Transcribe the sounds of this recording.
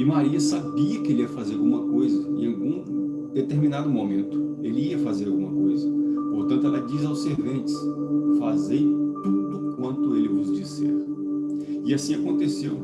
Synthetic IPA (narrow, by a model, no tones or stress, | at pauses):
ɪmaɾiɐsabiɐkɪelɪiɐfazeɾawɡũmɐkojzɐḛ̃awɡũ | d̪et̪eɾmĩnad̪ʊmomẽnt̪ʊ̥elɪiɐfazeɾawɡũmɐkojzɐpoɾt̪ɐ̃nt̪ʊɛlɐd͡ʒizawseɾvẽnt͡ʃɪ̥sfazejt̪ud̪ʊkwɐ̃nt̪ʊelɪvʊzd͡ʒisɛ̰ɾ | ɪasĩakõnt̪esew